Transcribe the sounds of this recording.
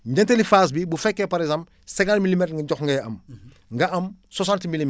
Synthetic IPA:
ɟɐntɛlifaːs̬bibufɛkːɛpɐɾɛzãmp | sɛɡantmilimɛtŋɡɐɟɔxŋɡɐjɐm | ŋɡɐʔɐmsosãntmilim

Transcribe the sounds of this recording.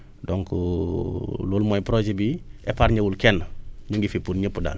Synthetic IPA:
doŋku | lulmojpɾod͡ʒebiepaːɾɲəwulkenɲuŋɡifipuɾɲəpːuda̰ːl

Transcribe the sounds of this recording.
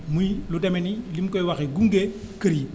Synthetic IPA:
mujlutemɛnilimkɔjwaxeɡuŋɡe | kəɾi

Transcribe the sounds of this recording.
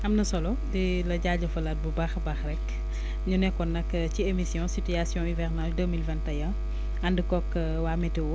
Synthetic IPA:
ʔɐmnɐsɔlɔ | di | lɐɟaːɟɐfɐlɐt̚bubaxbaxɾɛk | ɲunɛkɔnɐkː | ciemisjɔ̃sityasjɔ̃ivɛrnaldəmilvɛ̃ntɐjɐ | ɐndikɔkː | waːmɛtiwɔ

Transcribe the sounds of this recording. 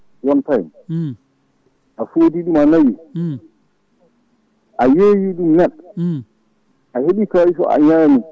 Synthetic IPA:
wɔntajn | ʔafoːdiɗumanaji | ʔajejiɗumnɛɗ | ʔaheɓikaisɔ̰ʔa̰ɲaːmi

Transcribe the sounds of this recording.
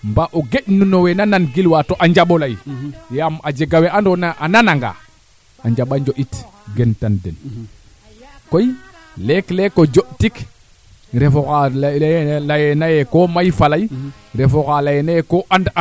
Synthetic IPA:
mbaʔoɡeɗnunowenananɡilwatoʔaɲd͡ʒaɓolajjamad͡ʒeɡaweʔandonaʔananaŋɡa̰ | aɲd͡ʒaɓaɲd͡ʒoʔitɡentandɛn | koj | leklekod͡ʒoʔtik | ɾefoka | lajenajekomajfalaj | ɾefokalajenajekoʔand

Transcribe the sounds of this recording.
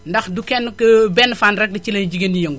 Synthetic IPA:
ndɐxdukɛnːkəbɛnːfaːnɾɛk̚dɐt͡ʃilɐnd͡ʒiɡendijɐŋɡu

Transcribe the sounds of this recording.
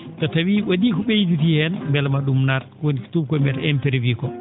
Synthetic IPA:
tɔtawiwadikɔɓejdut̬ihɛnmbɛlmaɗumnaɾ | woni̥tub̚kɔmɛɾɛmpɛɾvikɔ

